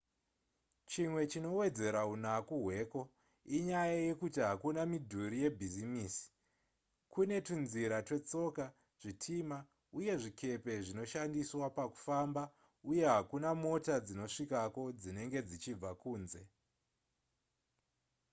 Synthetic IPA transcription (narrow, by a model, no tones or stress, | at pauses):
t͡ʃimwe̞t͡ʃino̞we̞d͡ze̞ɾaunakuɦwe̞ːko̞ | iɲajaje̞kutiɦakunamidʱuɾije̞bʱizimiːsi̥ | kune̞tunziɾatwe̞t͡so̞ka | ʐ̥itʰima | uje̞ʐikʰe̞pe̞ʐino̞ʃandiswapaku̥famba | uje̞ɦakunamo̞tad͡zino̞ʂikako̞d͡zine̞ŋɡe̞d͡zit͡ʃib͡vakuːnze̞